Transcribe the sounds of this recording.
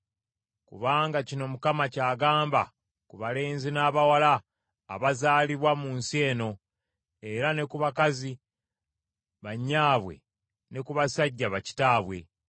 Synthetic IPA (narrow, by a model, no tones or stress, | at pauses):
kṵβaːŋɡacino̞mukamacaːɡaːmba̰ | kuβale̞ːnzinaːβawala̰ː | βazaːliβwamuːnsie̞ːno̞ | e̞ɾane̞kuβakazi | βaɲːaːβwe̞̰ | ne̞kuβasaɟːaβaci̥taːβwe̞̰